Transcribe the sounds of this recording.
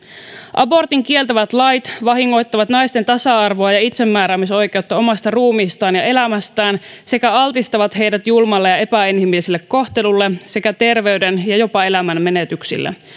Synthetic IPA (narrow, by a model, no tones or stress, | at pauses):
ʔɑ̰bo̞rt̪iŋk̟ie̞lt̪æʋæt̪lɑjt̪ʋɑɦiŋːo̞jt̪ːɑʋɑt̪nɑjst̪e̞nt̪ɑsɑɑrʋoɑjɑit̪se̞mːæːɾæːmiso̞jk̟e̞ut̪ːɑo̞mɑst̪ɑruːmiːst̪ɑːnjɑe̞læmæst̪æːn | se̞kæɑlt̪ist̪ɑʋɑt̪ɦe̞jdæt̪julmɑlːejɑe̞pæinhimilːiselːekːo̞xt̪e̞lulːese̞kæt̪e̞rʋe̞ydenjɑjo̞pɑe̞læmænme̞net̪yksḭlːʔḛ